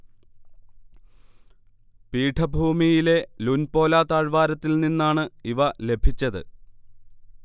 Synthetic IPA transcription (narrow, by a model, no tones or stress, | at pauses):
piːʈʰɐbʱuːmijile̞lunpo̞ːlaːt̪aːɻʋaːɾɐt̪ːilninːaːɳɨiʋɐle̞bʱit͡ɕːɐðɨ̰